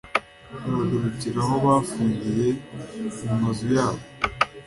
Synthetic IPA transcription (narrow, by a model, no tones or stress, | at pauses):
uβaduɾuciɾaho̞βaːfuːɲɡije̞ummazujaːβo